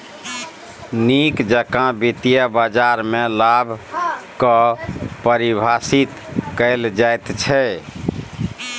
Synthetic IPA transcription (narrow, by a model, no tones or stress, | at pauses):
nikd͡ʒəkãbit̪ijəbad͡ʒaɾmelabʱkəpəɾibʱasit̪kəɪld͡ʒajt̪t͡ʃʰɛ